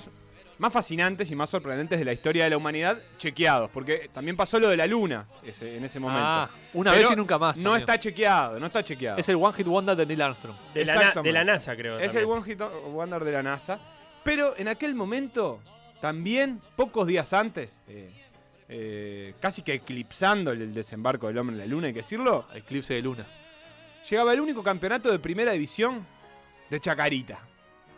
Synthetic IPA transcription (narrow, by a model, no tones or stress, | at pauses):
s | masfasinãnt̪es̬imasːo̞ɾpɾẽnd̪e̞nt̪e̞ðelaist̪o̞ɾjaðelaumaniðaðt͡ʃe̞kjaðo̞spo̞ɾk̬et̪ambje̞mpaso̞lo̞ðelaluna̰ | eseːnesemomẽno | unaβeeɾoinũŋkamasnoet̪at͡ʃekjaðono̞est̪at͡ʃek̬ja̰ðeselɣwaŋxit̪̚wand̪eɾðenilanst̪ɾumd̪esakt̪d̪elanasakɾeoeselɣwaŋxiwand̪eɾðelanasa | peɾo̞ʔenake̞lmõ̞mẽnt̪o̞ | t̪ambjenpo̞kozðiasant̪ese | ekasikeːklipsand̪oeld̪esembaɾkoðe̞lombɾenla̰lunajkeðesiɾlo̞ḛklipseðeluna | ʃeɣaβaeluniko̞kampjonat̪oðepɾime̞ɾaðiβisjo̞n | d̪et͡ʃakaɾit̪a